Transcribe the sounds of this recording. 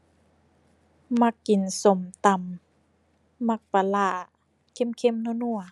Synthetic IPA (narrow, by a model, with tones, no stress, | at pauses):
ma˧kːi˨˩nso˨˧˩mt̪a˧˨m | a˧˩k̚pa˨laː˧˩ | kʰe˧˥˨mkʰe˧˥˨mnu˧˨nu˧˩ɐ˨